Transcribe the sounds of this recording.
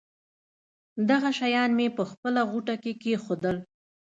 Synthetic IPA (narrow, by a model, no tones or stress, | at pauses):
d̪aɣaʃajɑnmepəxpəlaɣuʈakekexod̪əl